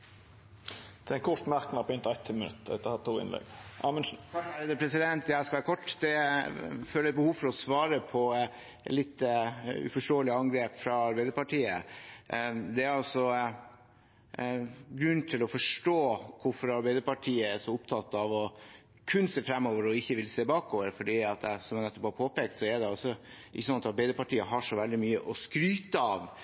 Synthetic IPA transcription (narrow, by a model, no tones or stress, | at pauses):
d̪̥ɛɛnkʰɔɾt̪mæɾknɑɾpʰɔɪnt̪ɑɛt̪ʰːɪmənʉ̰t̪ːd̪ɛ̰t̪ːəhɑt̪ʰːuːɪ̰nlɛ̰ɡʔɑ̰mənʂn̩ɑæɾɛd̪əpʰɾɛsɪd̪ɛnt̪æskɑʋæːɾəkʰɔʈːd̪ɛ | føːləɛt̪̚bəhuːʋfɔɾɔsʋɑːɾəpʰɔ | lɪt̪ːəʉ̰fɔʂʈoːəlɪɑŋɡɾeːpfɾɑɑɾbæɪd̪əɾpɑʈʰiːə | d̪ɛæɾɑlsɔ | ɡɾʉnːt̪ʰɪlɔfɔʂʈoːkʊfɔɾɑɾbæɪd̪əɾpɑʈʰiːəɛʂɔʊpt̪ʰɑt̪ːɑʋɔ | kʰʉnseːfɾɛmːoːʋəɾɔɪçːəʋɪlseːbɑːkoːʋəɾfɔɖiːɑt̪ɛsɔmjænɛt̪ːɔphɑɾpʰoːpeːkt̪sɔɛɖɛɑlsɔ | ʔɪçːəsɔnɑt̪ɑɾbæɪd̪əɾpɑʈiːəɦɑʂɔʋɛld̪ɪmyːəʔɔskɾyːt̪əɑːʋ